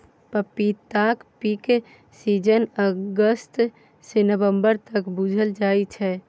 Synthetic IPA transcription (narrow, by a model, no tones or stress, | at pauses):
pəpit̪akpik | sid͡ʒənəɡəst̪ | senəbəmbəɾt̪əkbud͡ʒʱəld͡ʒajt͡ʃʰɛ